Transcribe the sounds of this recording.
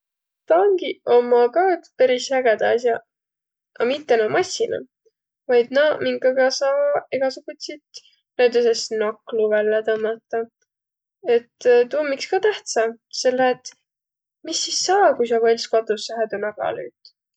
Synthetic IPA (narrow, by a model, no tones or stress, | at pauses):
t̪ɑŋɡio̞mɑkɑːt̪peɾishæɡ̥ed̪̥ɑɑsjɑ | ɑmit̪ːˑenomɑsʲːinɑ̰ | vɑjd̪̥nɑmiŋɡɑɡ̥ɑsɑeɡ̥ɑsuɡ̥ut̪ʲsit̪ | næwd̪us̬esnɑkːluvælːet̪ɤmɑt̪ːɑ | e̞t̪ːt̪uːmːikskɑːt̪æht̪sɑse̞lːeet̪ | misːisːɑːkujs̬ɑvɑlʲskɑt̪ːˑusːɑhæd̪unɑɡ̥ɑ̰ly̰ːt̪